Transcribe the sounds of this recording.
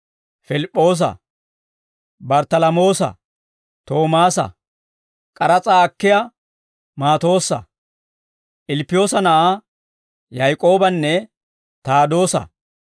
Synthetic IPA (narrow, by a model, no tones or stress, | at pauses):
fɪlɪpʼːo̞ːs̬ɐ̰ | bɐɾt̪ɐlɐmo̞ːsɐ̰ | t̪o̞ːmaːsɐ̰ | kʼɐɾɐt͡sʼaːkːɪjɐ | maːt̪o̞ːsːɐ̰ | ʔɪlɪpːɪjo̞ːsɐnɐʔa | jajkʼo̞ːbɐnːɛ | t̪aːd̪o̞ːsɐ̰